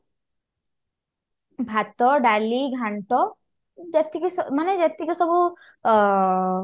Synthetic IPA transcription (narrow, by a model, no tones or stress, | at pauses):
bʱat̪ɔɖaliɡʱaɳʈɔ | d͡ʒet̪ʰːikimaned͡ʒet̪ʰːikisɔbu